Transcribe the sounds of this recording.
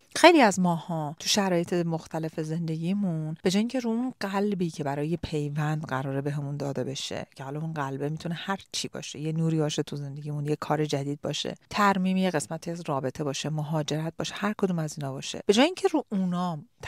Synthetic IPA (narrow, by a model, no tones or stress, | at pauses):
xe̞jliæzmɒːhɒːt̪ʰuʃæɾɒːje̞t̪ʰemoxt̪ʰæle̞feze̞nd̪e̞ɟiːmunb̥e̞d͡ʒɒːjiŋcʲʰe̞ɾuːunɢælbiːcʰe̞bæɾɒːje̞pʰe̞jvænd̪ɢæɾɒːɾebeɦemund̪ɒːd̪e̞be̞ʃḛcʰehɒːlɒunɢælbe̞mit̪ʰunehæɾt͡ʃʰibɒ̰ːʃejenuːɾiːbɒːʃet̪ʰuze̞nd̪e̞ɟiːmunjekʰɒːɾed͡ʒæd̪iːd̪̚bɒ̰ːʃḛt̪ʰæɾmiːmijeɣe̞smæt̪ʰiæzrɒːbe̞t̪ʰe̞bɒːʃemoɦɒːd͡ʒe̞ɾæt̪̚bɒːʃehæɾkʰod̪uːmæziːnɒːbɒːʃḛb̥e̞d͡ʒɒːjeiːɲcʰe̞ɾuːʔunɒːmt̪ʰ